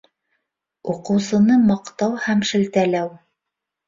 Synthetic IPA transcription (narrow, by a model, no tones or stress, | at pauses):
uqɤ̆wsɤ̆nɤmɑqt̪ɑwhæmʃɘ̆lt̪ælæw